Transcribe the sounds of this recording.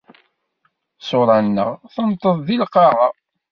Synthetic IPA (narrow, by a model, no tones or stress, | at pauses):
soɾˤɑnːə̰ʁθənt̪ˤːəðˤðilqɑʁɑ